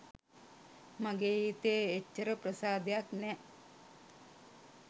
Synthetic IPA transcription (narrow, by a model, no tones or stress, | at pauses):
maɡeːit̪eːet͡ʃːəɾəpɾəsaːd̪ejaknɛ